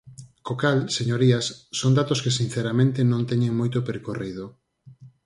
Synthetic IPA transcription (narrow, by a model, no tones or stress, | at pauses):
kokalseɲoɾiasːond̪at̪oskesin̟θeɾamẽnt̪enõŋt̪ɛɲeŋmojt̪opeɾkorið̞o